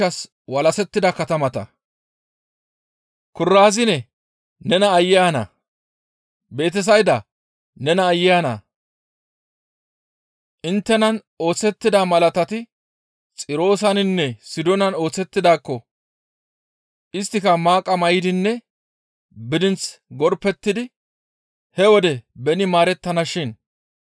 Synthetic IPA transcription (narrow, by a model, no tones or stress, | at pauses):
ɐs | wɐlɐsɛt̪ːɪd̪ɐkɐt̪ɐmɐt̪ɐ̰ | kʊrːaːzɪnɛ | nɛnɐːjːaːnɐ̰ | be̞ːt̪̬ɛs̬ɐjd̪ɐ | nɛnɐːjːaːnɐ̰ | ʔɪnt̪ːɛnɐn | o̞ːt͡sːɛt̪ːɪd̪ɐmɐlɐt̪ɐt̪ɪ | t͡sʼɪɾo̞ːs̬ɐnɪnːɛsɪd̪ɔnɐno̞ːt͡sːɛt̪ːɪd̪aːkːɔ | ʔɪst̪ːɪkɐmaːkʼːɐmɐjɪd̪ɪnːɛ | bɪd̪ɪnt͡sɡɔɾpːɛt̪ːɪd̪ɪ | hɛwɔd̪ɛbɛnɪmaːɾɛt̪ːɐnɐʃɪn